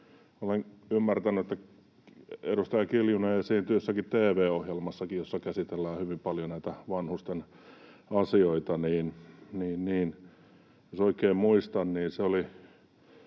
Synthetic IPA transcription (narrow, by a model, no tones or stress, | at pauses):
olenymːært̪ænyet̪ːæ | ḛɾust̪ɑjɑkiljuneːjɑsiːnt̪yøsːækitt̪eːʋeːohjelmɑsːɑkijjosːɑkæsit̪elːæːhyʋimpɑljonæit̪æʋɑnhust̪en | ɑsioit̪ɑniːnniːnniːn | josoikeːmmuist̪ɑnniːnseoli